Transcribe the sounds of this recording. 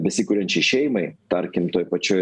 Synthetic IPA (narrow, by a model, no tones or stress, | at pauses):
bʲɛsʲɪkuːɾʲɛnʲt͡ʃʲɪʃʲɛɪmɐɪt̪ɐɾʲkʲɪmt̪oːjpɐt͡ʃʲoːj